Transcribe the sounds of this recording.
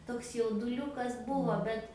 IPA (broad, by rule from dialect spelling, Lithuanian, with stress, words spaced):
toːks jɛʊdʊˈlʲʊkɐs ˈbʊʋoː ˈbʲɛt